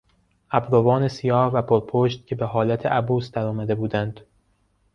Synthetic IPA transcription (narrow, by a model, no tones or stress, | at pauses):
ʔæbɾovɒːne̞sijɒːhvæpʰoɾpʰoʃt̪̚cʰe̞be̞ɦɒːlæt̪ʰeʔæbuːsd̪æɾɒːmæd̪e̞buːd̪ænd̪̥